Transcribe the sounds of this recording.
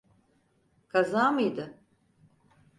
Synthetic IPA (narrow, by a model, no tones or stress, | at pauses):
kʰazaːmɯjd̪ɯ